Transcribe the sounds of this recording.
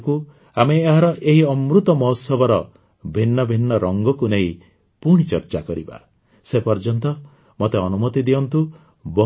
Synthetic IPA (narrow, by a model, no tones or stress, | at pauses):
ku | ameːɦaɾɔʔeɦiɔmɾut̪ɔmɔɦsɔbʱɔɾɔ | bʱinːɔbʱinːɔɾɔŋɡɔkunei | puɽ̃it͡ʃɔɾt͡ʃakɔɾiba̰ | sepɔɾd͡ʒɔnt̪ɔ | mot̪eɔnumɔt̪id̪iɔnt̪u | bɔ